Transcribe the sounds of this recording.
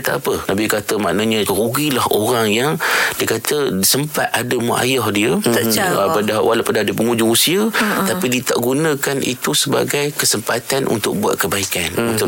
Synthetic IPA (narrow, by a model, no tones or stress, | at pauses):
t̪aapənabikat̪əma̰ʔnaɲə̃ɾuɡilahoɾaŋjaŋdiəkat̪ʰəsəmpa̰t̪̚ʔadəməʔa̰jɔhdiəapadawa̰lawpadadiəpəŋud͡ʒʊŋusiət̪apidiət̪aʔɡunə̃kanʔḭt̪usəba̰ɡajkəsəmpat̪anʔṵnt̪ʊk̚bua̰t̪̚kəbaikanunt̪ʊ